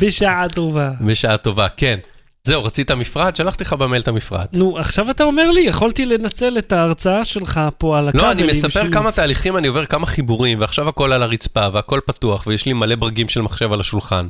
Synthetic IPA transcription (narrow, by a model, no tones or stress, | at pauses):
beʃaato̞vabeʃaato̞vake̞n | ze̞uʁat͡sit̪amifʁad̪ʃalaχt̪iχabamelt̪amifʁa̰d̪nuaχʃavat̪ao̞me̞ʁlijeχolt̪ilenat͡se̞let̪aːʁt͡saaʃe̞lχapo̞alaloanimesapeʁkamataːliχimanio̞ve̞ʁkamaχibuʁimveaχʃavako̞lalaʁit͡spaveako̞lpatuaχvejeʃlimale̞bʁaɡimʃelmaχʃe̞valaʃulχan